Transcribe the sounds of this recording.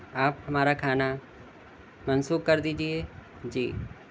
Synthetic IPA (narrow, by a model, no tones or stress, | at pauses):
aːphɐmaːɾakʰaːna | mɐnsuːkkɐɾd̪iːd͡ʒieː | d͡ʒḭː